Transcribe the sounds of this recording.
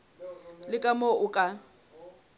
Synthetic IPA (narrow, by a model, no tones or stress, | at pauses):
lɪkʼamoʔʊkʼa